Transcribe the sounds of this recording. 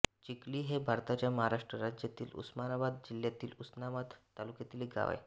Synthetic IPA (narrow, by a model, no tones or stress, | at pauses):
t͡ɕikliːɦebʱaɾt̪at͡ɕjaməɦaɾaʂʈɾəɾad͡ʑjat̪iːlṵsmanabad̪̚d͡ʑiljat̪iːlusnamat̪ːalukjat̪iːleɡa̰ʋa̰j